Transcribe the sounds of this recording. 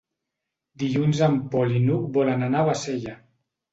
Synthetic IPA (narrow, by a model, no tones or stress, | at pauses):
d̪iʎunzampɔlinuk̚bɔlananawaseʎa